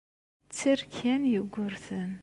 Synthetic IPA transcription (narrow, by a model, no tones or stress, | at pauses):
t͡sːiɾkʰːænjəɡʷːʊɾθən